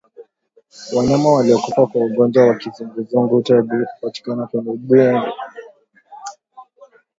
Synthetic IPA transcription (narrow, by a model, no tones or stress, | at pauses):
waɲamawaliɔkupakwauɡɔnd͡ʒawakizuŋɡuzuŋɡutaɓikupati̥kanakwɛniɓuɛni